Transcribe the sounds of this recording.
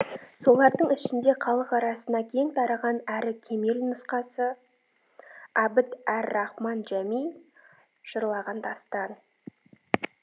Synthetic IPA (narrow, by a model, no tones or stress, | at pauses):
so̞lˠɑɾd̪əɴɪʃɪnd̪e̞qʰɑlˠəqɑɾɑsənɑkʲʰe̞ŋt̪ʰɑɾɑʁɑnæɾɪkʲʰe̞me̞lnʊsqɑsə | ɑbɪt̪æɾːɑχmɑnʒæmij | ʒ̥əɾlˠɑʁɑnd̪ʰɑst̪ɑd̪